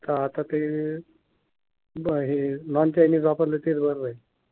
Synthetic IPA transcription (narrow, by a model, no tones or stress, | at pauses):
t̪aːt̪at̪e | ɦinɔnt͡ɕajnisʋapəɾlet̪iːɾbəɾʋəj